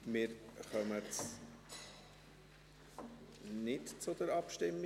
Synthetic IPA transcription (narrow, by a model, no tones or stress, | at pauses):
mɪːɾχœmət͡s | nɪtt͡sʊd̥əɾɑpʃtɪmː